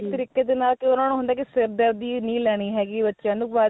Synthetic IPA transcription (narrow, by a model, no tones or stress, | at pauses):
t̪əɾiːkeːd̪eːnaːlkɪʊnãːnũːɦʊ̃nd̪aːkɪsɪɾd̪əɾd̪iːnĩːlɛːɽ̃iːɦɛːɡiːbətːʃjãːnũːʋaː